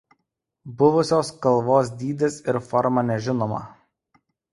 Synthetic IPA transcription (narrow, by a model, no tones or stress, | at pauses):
bʊʋʊsʲoːskɐlˠʋoːs̬d̪ʲiːd̪ʲesɪɾfɔɾmɐnʲɛʒʲɪnoːmɐ̰